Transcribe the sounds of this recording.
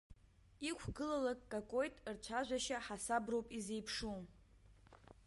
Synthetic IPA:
ikʷʰɡɨlalakʼːakʼo̞jtʼrt͡ʃʷʰaʒᶣʷaʃaħasabrowpʼizejpʰʂu

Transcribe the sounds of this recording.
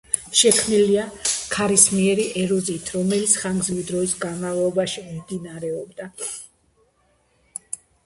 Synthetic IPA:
ʃɛkʰmniliakʰaɾismiɛɾiʔɛɾɔziːt̪ʰɾɔmɛlit̪sʰχaŋɡzwid̪ɾɔisɡanmavlˠɔbaʃimimd̪inaɾɛɔbd̪a

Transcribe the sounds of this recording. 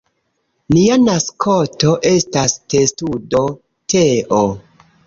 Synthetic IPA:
nianaskʰoto̞ʔe̞staste̞studo̞ | tʰeʔo

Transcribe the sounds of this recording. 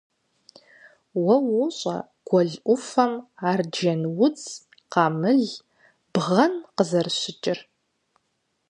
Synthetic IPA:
wɐwʊɕʼɐ̰ | ɡ̥ʷɔɮʔʷʊfɐmaːrd͡ʒɐnwʊt͡sʰʼ | qɑːmɨɮ | b̥ʁɐnqəzɐrɕʷɪt͡ʃʼɪr

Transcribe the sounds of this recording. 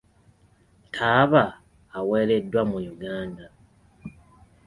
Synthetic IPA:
tʰaːβaː | weːle̞dːwamujuɡaːnda

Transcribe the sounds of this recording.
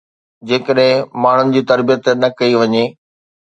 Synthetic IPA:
d͡ʑeːkəɗɦɪ̃maːɳ̤ʊnɪ̆d͡ʑiːt̪ɐɾbijət̪nɐkɐiʋɐɲeː

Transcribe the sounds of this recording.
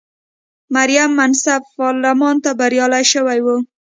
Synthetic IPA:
maɾjamːansabːɑɾlamɑnt̪abaɾjɑlajʃəwajwu

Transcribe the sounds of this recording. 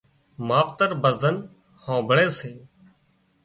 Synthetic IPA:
maːpt̪əɾbəzzən | hãːbʱəɳẽːseː

